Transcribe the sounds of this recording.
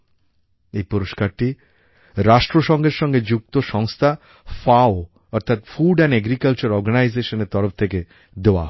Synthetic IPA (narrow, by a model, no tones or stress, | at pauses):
ejpɔɾoʃkaɾʈi | ɾaʃʈɾoʃɔŋɡeɾʃɔŋɡed͡ʑuk̚t̪oʃɔŋst̪ʰa | fao | ɔɾt̪ʰat̪fuɖɛnɛɡɾikalt͡ɕoɾɔɾɡanajzeʃoneɾt̪ɔɾoft̪ʰeke | d̪eoa̰